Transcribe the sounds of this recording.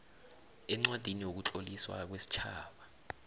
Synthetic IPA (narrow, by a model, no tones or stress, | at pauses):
ɛŋ͡ǀwad̥ʱinijok̬ut͡ɬʼoliswa̰k̬wesi̥t͡ʃʰaːɓa